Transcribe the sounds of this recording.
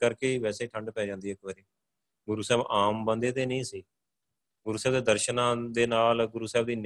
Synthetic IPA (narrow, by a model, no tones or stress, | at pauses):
kəɾkeːiːʋɛːseːiːʈʰəɳɖpɛːd͡ʒãːnd̪iːɪkbəɾiː | ɡʊɾuːsɛːbaːmbənd̪eːt̪eːnəĩːsiː | ɡʊɾuːsɛːbd̪eːd̪əɾʃənãːd̪eːnaːlɡʊɾuːsɛːbd̪iːn